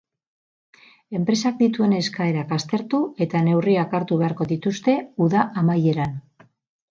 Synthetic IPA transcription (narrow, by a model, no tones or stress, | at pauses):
e̞mpɾe̞sak̚d̪it̪ue̞ne̞skae̞ɾakast̪e̞ɾt̪ue̞t̪ane̞wriakaɾt̪uβe̞aɾko̞ðit̪ust̪e̞uðaʔamaje̞ɾan